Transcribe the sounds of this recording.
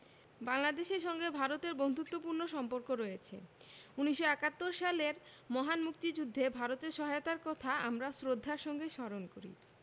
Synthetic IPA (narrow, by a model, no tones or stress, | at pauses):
baŋlad̪eʃeɾʃɔŋɡebʱaɾot̪eɾbond̪ʱut̪ːopuɾnoʃɔmpoɾkoɾɔjet͡ɕʰḛuniʃːoɛkat̪ːoɾʃaleɾ | mɔɦanmuk̚t̪id͡ʑud̪ʱːebʱaɾot̪eɾʃɔɦajot̪aɾkɔt̪ʰaa̰mɾasɾod̪ʱːaɾʃɔŋɡeʃɔɾonkoɾḭ